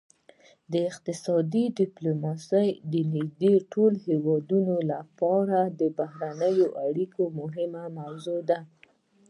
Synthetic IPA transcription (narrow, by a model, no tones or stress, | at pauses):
d̪əɪqt̪ɪsɑd̪iɖɪplomɑsəjd̪ənɪɡd̪eʈolhewɑd̪unolapɑɾad̪əbahɾanəjoʔaɽikomʊɦɪmamawzod̪a